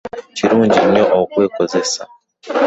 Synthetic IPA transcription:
ciɾuːɲɟinoʔokwe̞ːkoze̞sa̰

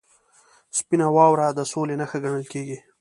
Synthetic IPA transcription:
spinawɑwɾad̪əsolenaxaɡaɳ̃əlkeɡi

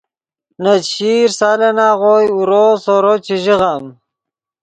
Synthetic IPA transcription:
nat̪ɕiːɾsaːlenaːʁojuɾosoɾot͡ɕiʒiʁam

